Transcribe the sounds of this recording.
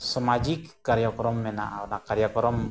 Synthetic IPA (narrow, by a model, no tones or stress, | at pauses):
səmad͡ʒikːaɾjakɔɾɔmːɛna̰ʔanakːaɾijakɔɾɔm